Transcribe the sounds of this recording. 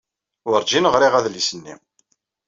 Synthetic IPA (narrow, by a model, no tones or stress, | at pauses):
wəɾd͡ʒinəʁɾiʁæðlisənːḭm